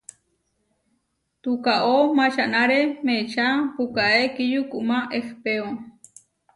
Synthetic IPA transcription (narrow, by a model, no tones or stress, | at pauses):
t̪ukaʔomaʃaʔnaɾemet͡ʃapukaʔekijukuʔmaʔexpeo